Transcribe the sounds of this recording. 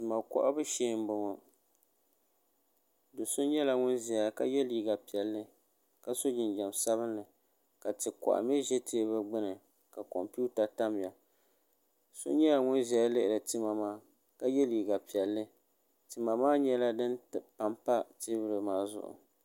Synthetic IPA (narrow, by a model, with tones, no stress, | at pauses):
tɨ˨ma˨kɔ̰˦ʔa˦bɨ˦ʃeː˦˨m˦bʊ˨ŋɔ˨ | do˨so˦ɲɛ˦la˨ŋʊ˦nzɛ˨ja˦ka̰˦jɛ˦liː˦˨ɡa˨pi˨ɛ˨lːɨ˦ | ka˨so˦d͡ʒɪ˨nd͡ʒɛ˨msa˦βɨ˦nːɨ˨ | ka˨tɨ˨kɔ̰˨ʔa̰˨mɛ˦ʒɛ˦tʰeː˦βɨ˦ɡ͡bɨ˦nɨ˨ | ka˨ko̰˨mpu˦ta˨ta˦m˨ja˨ | so̰˦ɲɛ˦la˨ŋʊ˦nzɛ˨ja˦lɨ˦ʔɪ˨ɾɨ˨tɨ˦ma˨maː˦ | ka˦jɛ˦liː˨ɡa˨pi˨ɛ˨lːɨ˦ | tɨ˨ma˨maː˦ɲɛ˦la˦dɨ˦npa˨mpa˦te˦bɨ˦ɾɨ˨maː˦˨zʊ̰˦ʔʊ̰˨